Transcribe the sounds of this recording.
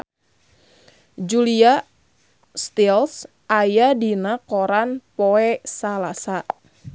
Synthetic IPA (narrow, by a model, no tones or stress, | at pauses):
d͡ʒulia | st̪ils | ajadinakɔɾanpɔɛsalasa